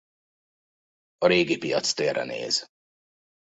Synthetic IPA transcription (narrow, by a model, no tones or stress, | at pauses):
ɒɾeːɡipijɒt̪st̪eːrːɛ̰nḛːz